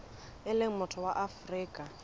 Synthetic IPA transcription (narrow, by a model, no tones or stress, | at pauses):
ɪlɪŋ̩mʊtʰɔwaʔafriːkʼa